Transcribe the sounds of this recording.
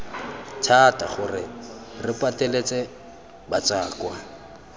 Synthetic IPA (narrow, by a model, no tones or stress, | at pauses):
tʰatʼa̰χʊrɪrɪpʼatʼɛlet͡sʼɛ | bat͡sʼaːkwa